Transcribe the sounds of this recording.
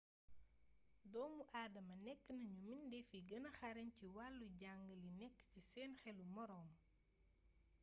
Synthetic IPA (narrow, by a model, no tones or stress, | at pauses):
dɔːmuʔaːdɐmɐnɛkːənɐɲumindɛfiɡɐnɐxɐɾɐɲciwalːuɟaŋɡəlinɛkːcisɛːnxɛlumɔɾɔːŋ